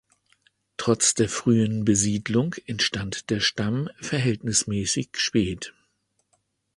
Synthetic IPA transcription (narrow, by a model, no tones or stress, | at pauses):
tʁ̥ɔt͡sd̥eːɐfʁ̥yːənbəziːdlʊŋkʔɛntʃtantd̥eːɐʃtamfɛɐɦɛltnɪsmɛːsɪçʃpɛːt